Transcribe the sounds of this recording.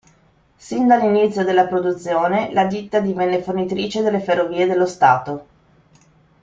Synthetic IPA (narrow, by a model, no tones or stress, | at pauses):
sind̪alːinit̪sːjod̪elːapɾod̪ut̪sːjoːnelad̪it̪ːad̪ivɛnːefornit̪ɾiːt͡ʃed̪elːeferːoviːed̪elːost̪aːt̪o